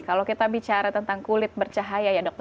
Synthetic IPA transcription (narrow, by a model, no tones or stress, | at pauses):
kalowkit̪abit͡ʃaɾat̪ənt̪aŋkulɪt̪̚bərt͡ʃaɦajajadɔk̚t̪